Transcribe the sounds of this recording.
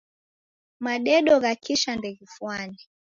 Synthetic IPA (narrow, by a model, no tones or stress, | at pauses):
maɗɛɗɔɣakiʃandɛɣifwani